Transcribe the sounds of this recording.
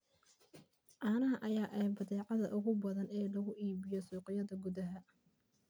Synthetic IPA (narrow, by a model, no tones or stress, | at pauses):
ʔaːnɐɦɐʔɐjaːʔɛbɐðɛːʕɑðɐʔʊɣʊbɐðɐnɛːlɐɣʊʔiːβɪjɔsuːqɪjɐðɐɡʊðɐɦɐ